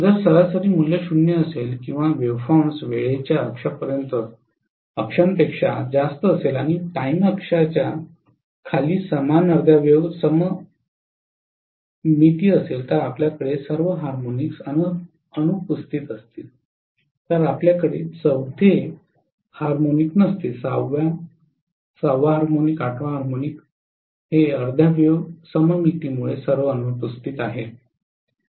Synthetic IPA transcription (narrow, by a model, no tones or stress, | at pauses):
d͡zəɾsəɾasəɾiːmuljeɕunjəəselkĩw̃ʋaʋeʋfaɳsʋeɭet͡ɕjaəkʂapəɾjənt̪ə | əkʂəmpekʂa̰d͡zast̪əːselaɽ̃iʈaiməkʂat͡ɕja | kʰaliːsəmanəɾd̪ʱjaʋeʋsəmə | mit̪iːəselt̪əɾapljakəɽesəɾʋəɦaɾmoniksənə | ənupust̪it̪əst̪iːl | t̪əɾapljakəɽḛt͡səwd̪ʱe | haɾmoniknəst̪isaʋa | sawʋaɦaɾmonikaʈʰʋaɦaɾmonik | ɦeəɾd̪ʱjaʋeʋsəməmit̪iːmuɭesəɾʋəənupust̪it̪aɦe